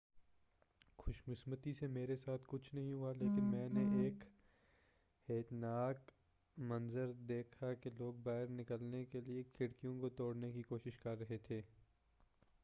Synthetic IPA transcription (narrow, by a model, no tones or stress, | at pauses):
xʊʃmɪsmət̪isemeːɾesaːt̪ʰkʊt͡ʃʰnɐɦĩɦʊaleːkɪnmɛ̃ːneʔeːk | heːt̪naːk | mɐ̃nzəɾd̪eːkʰakeloːɡ̚baːɦɪɾnɪkəlnekeliekʰɪɽkijõkot̪oːɽnekikoːʃɪʃkɐɾːɐɦet̪ʰeː